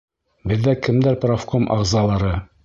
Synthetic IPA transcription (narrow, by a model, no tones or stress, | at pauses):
bɘ̆ðːækɘ̆md̪æɾprofkomʔɑ̰ʁzɑlˠɑɾɤ